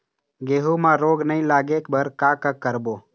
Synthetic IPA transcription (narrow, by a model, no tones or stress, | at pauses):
ɡeːɦuːmãːɾoːɡnəɦĩːlaːɡeːkbəɾkaːkakːəɾboː